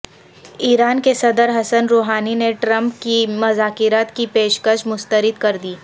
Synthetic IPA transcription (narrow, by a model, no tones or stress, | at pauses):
iːɾaːnkesɐd̪əɾɦɐsənɾoːɦaːnineʈɾɐ̃mpkimɐzaːkɪɾaːt̪kipeːʃkəʃmʊst̪əɾɪd̪kɐɾd̪iː